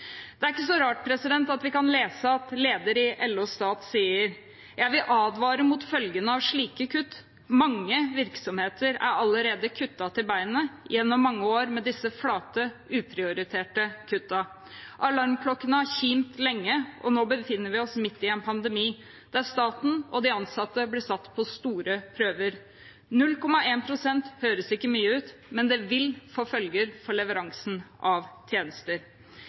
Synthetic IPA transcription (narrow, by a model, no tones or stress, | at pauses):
d̪̥ɛæɾɪkːəs̬ɔɾɑːʈ̚pʰɾɛsɪd̪ɛnt̪ɑt̪ʋɪkɑnleːsəɑt̪leːd̪əɾɪʔɛlːuːst̪ɑːt̪siːəɾ | jæɪʋɪlʔɑːd̪ʋɑːɾəmʊt̪fœlɡənəɑʋʂɭiːkəkʰʉt̪ː | mɑŋːəʋɪɾksɔmheːt̪ʰəɾæ̰ɾɑlːəɾeːd̪əkʰʉt̪ːɑt̪ɪlbæɪnəjɛnːɔmːɑŋːəoːɾmɛd̪ɪsːəflɑːt̪əʉːpʰɾɪʊɾɪt̪ʰeːʈəkʰʉt̪ːɑ | ʔɑlɑɾmkʰlɔkːənəæçiːmt̪lɛŋːəʔɔ̰noːbəfɪnːəɾʋɪɔsmɪt̪ːɪɛnpʰɑnd̪ɛmiː | d̪̥æɾst̪ɑːt̪n̩ɔd̪ɪɑnsɑt̪ːəblɪsɑt̪ːpʰɔst̪uːɾəpʰɾøːʋəɾ | nʉlːkɔmɑeːnpʰɾʊsɛnt̪høːɾəsɪkːəmyːəʉːt̪mɛnd̪ɛʋɪlfoːfœlɡəɾfɔɭɛʋəɾɑŋsn̩ʔɑʋt̪ʰjeːnəst̪əɾ